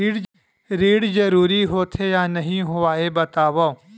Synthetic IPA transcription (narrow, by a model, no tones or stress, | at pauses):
iːɽ | ɾiːɽzɐɾuːɾiɦoːt̪ʰejaːnɐɦĩɦoaːebɐt̪aːʋao